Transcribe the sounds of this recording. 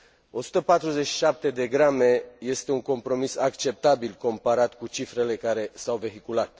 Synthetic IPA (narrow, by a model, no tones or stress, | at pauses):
o̞su̥t̪əpat̪ɾuze̞t͡ʃːi̥ʃap̚t̪e̞d̪e̞ɡɾame̞je̞st̪e̞uŋko̞mpɾo̞misakt͡ʃe̞p̚t̪abilko̞mpaɾat̪kut͡ʃifɾe̞le̞kaɾe̞sawve̞ɦikulat̪